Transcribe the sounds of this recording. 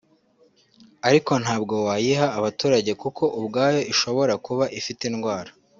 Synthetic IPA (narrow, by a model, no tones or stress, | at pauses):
aɾiko̞n̥haːbɡo̞waːjiɦaːβatuːɾaɟe̞kukʰo̞ʔubɡaːjo̞iʃo̞βo̞ɾakuβaʔifitenɡwaːɾa